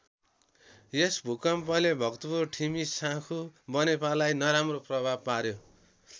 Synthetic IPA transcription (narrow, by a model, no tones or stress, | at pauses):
jesbʱukʌmpʌlebʱʌkt̪upurʈʰimisãkʰubʌnepalajnʌɾamroprʌbʱab̚paɾjo